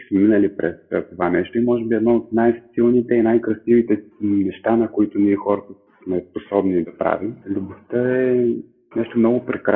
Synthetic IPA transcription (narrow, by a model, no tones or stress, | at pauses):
smɛminəlipɾɛ̰st̪ovanɛʃt̪oimɔʒɛbiɛd̪nɔot̪najsilˠnit̪ɛinajkɾɐsivit̪ɛnɛʃt̪anɐkoit̪ʊniɛxɔɾət̪ə | smɛposɔbnid̪ɐpɾa̰vimlʲubost̪əɛ | nɛʃt̪omnɔɡʊpɾɛkɾa